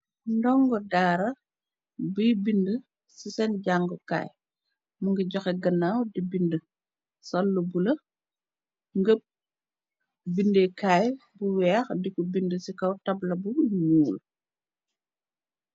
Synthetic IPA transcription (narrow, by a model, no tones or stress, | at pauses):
ndɔŋɡɔdaːɾɐ | bijbində | sisɛnɟaŋɡɔka̰ːj | muŋɡɐɟɔxɛɡɐnːawdibində | sɐlːubulɐ | ŋɡəp̚ | bindekajbuwɛːxdikubindəsikɐwtɐblɐbumuːl